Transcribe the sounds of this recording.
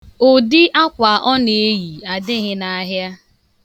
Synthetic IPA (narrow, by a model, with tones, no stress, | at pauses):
o˨dɪ˦ʔa˦kʷa˨ʔɔ˦ne˨˦ji˨a˨dɪ˦ɦɪ˦na˨˦ɦja˦